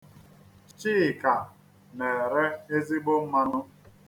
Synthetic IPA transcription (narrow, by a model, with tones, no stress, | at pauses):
t͡ʃiː˦˨ka˨ | ne˨ɾe˦e˦zi˦ɡ͡bʊ˦m̩˦ma˦nʊ˦